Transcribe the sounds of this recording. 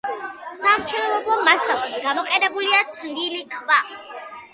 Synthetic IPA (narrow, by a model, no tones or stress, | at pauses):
samɾt͡ʃʰɛlɔlɔblˠɔmasalˠasɡamɔqʼɛnɛbuliat̪ʰlilikʰva